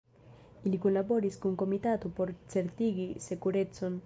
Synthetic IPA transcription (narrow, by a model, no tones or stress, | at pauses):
ilikunlaboɾiskuŋkomit̪at̪upoɾt͡seɾt̪iɣisekuɾet͡son